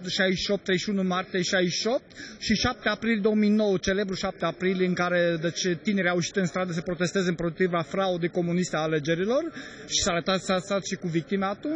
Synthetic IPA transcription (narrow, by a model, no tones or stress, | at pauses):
ʃajʃio̞p̚t̪ːɾezʃiunumart̪ijeʃajiʃio̞p̚t̪ʃiʃap̚t̪eapɾilid̪o̞womijno̞wət͡ʃe̞le̞bɾuʃap̚t̪eapɾiliɨŋkaɾe̞d̪et͡ʃt̪ine̞ɾʲawujʃi̥t̪ɨnst̪ɾad̪əsəpɾo̞t̪e̞st̪ezəɨmpɾot̪ɾivafɾaod̪ejko̞munist̪eaːle̞d͡ʒe̞ɾilo̞r | ʃi̥saːɾət̪at̪sasat̪ʃikuvik̚t̪imaːt̪un